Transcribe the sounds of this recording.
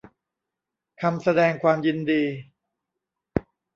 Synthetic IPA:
kʰa˧msa˧dɛː˧ŋkʰwaː˧mji˧ndiː˧

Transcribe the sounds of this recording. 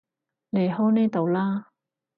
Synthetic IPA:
le˨˩jɦɔ˥wnɛː˥t̪o˨wlaː˥

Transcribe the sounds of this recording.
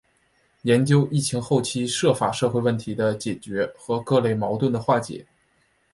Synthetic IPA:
jɛ˧˥nt͡ɕjo˥ʊʔi˥˩t͡ɕʰi˧˥ŋxo˥˩ʊt͡ɕʰi˥ʂɤ˥˩fa˨˩ʂɤ˥˧xwe˥˧ɪwə˥˩nt̪ʰi˧˥d̪ə˧t͡ɕjɛ˨˩t͡ɕɥɛ˧˥xɤ˧˥kɤ˥˧le˥˩ɪmɑ˧˥ʊt̪wə˥˩nd̪ə˩xwa˥˩t͡ɕjɛ̰˨˩˦

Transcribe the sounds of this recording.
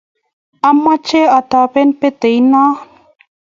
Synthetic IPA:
a˦mːa˦t͡ʃe˦a˨t̪a˨pe˦npe˦t̪e˨jna˦

